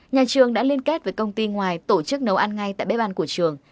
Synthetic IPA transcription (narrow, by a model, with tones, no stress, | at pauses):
ɲaː˨˩t͡ɕɨ˨˩əŋɗa̰ː˧˥li˧ənke˦˥t̚vəː˨˦jkə˧wŋ͡mt̪i˧ŋwaː˨˩jt̪o˧˩t͡ɕɨ˦˥k̚nə˨˦wʔa˧nŋa˧jt̪a̰ː˧˨jɓe˦˥ɓaː˧nku˧˩ət͡ɕɨ˨˩əŋ